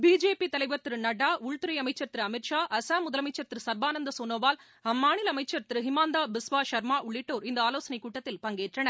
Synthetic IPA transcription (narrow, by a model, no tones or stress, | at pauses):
biːd͡ʒeːpit̪ɐlɐɪʋɐɾt̪ɾɯnɐɽaːʊɻt̪ɯɾɐjɐmɐɪt͡ʃːɐɾt̪ɪɾɯɐmɪʈʂaːʔɐsaːmʊðɐlɐmɐɪt͡ʃːɐɾt̪ɪɾɯsɐɾbaːnɐnd̪ɐsoːnoːʋaːl | ɐmːaːɳɪlɐmɐɪt͡ʃːɐɾt̪ɪɾɯɦɪmaːnd̪aːbɪsʋaːʃɐɾmaːʔʊɭːɪʈːoːɾɪnd̪ɐaːloːsɐnɐɪkːuːʈːɐt̪ːɪlpɐŋɡeːʈrɐɳɐɾ